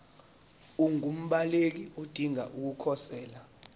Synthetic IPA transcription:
uŋum̩ɓalek̬iod̥ʱiŋa̰ʔuk̬ukʰɔsɛːla

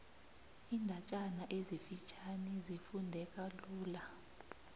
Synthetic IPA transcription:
iːndʱat͡ʃʼanaʔezifit͡ʃʰanɛzifundʱɛkʼaluːla

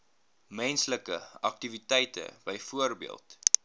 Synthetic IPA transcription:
mɛnsləkəɐk̚tivitɛjtə̰bəjfuərbḭə̰lˠt

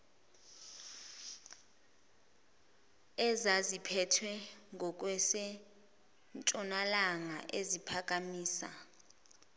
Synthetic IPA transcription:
ɛzazipʰɛtʰwɛŋʱɔk̬ʼwɛsɛ | nt͡ʃʼɔnalaŋaʔezipʰak̬ʼamiːsa̰

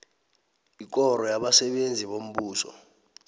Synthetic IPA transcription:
ik̬ʼɔɾɔjaɓasɛɓend͡zʱiɓom̩ɓuːsɔ̰

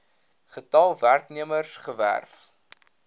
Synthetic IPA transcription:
χətɐlˠværkniəmərsχəvæ̰rf

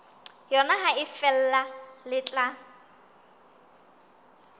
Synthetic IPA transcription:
jɔnaɦaɪfɛl̩lalɪt͡ɬʼa

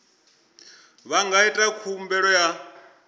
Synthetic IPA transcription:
βaŋɡaitʼakʰumbɛɺɔja

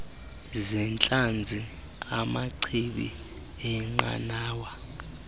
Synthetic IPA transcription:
zɛnt͡ɬʼand͡zʱi | amaǀʰiɓḭ | ɛŋ͡ǃa̰naːwa

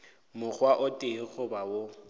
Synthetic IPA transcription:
mʊk͡xʰwaʔʊtʼeiɣʊbawo

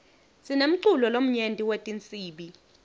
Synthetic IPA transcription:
sinem̩ǀulɔlom̩ɲentʼiwetʼint͡sʼiːɓi

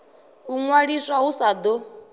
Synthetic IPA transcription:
uŋwaɺisaɦusad̪ɔ

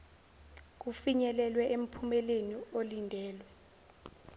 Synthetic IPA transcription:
k̬ufiɲɛlɛlwɛʔem̩pʰumɛleniolindʱɛːlwɛ

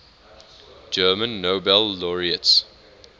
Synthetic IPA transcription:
d͡ʒɜːmə̃nːoʊbɛlːɔɹiəts

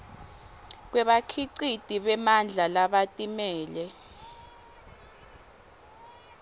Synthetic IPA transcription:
k̬wɛɓakʰiǀitʼiɓɛmand͡ɮʱalaɓatʼimɛːlɛ

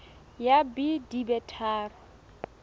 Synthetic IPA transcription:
jabidibɛtʰaːrɔ

